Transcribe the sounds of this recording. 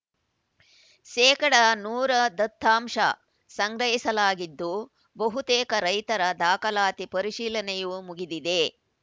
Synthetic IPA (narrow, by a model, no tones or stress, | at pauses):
ʃɛːkɐɽɐnuːɾɐd̪ɐt̪ʰːaːmʂɐ̰ | sɐŋɡɾɐɦisɐlaːɡid̪ːu | bɐɦut̪eːkɐɾɐjt̪ɐɾɐd̪aːkɐlaːt̪ipɐɾiʃiːlɐnɛjumuɡid̪id̪e̞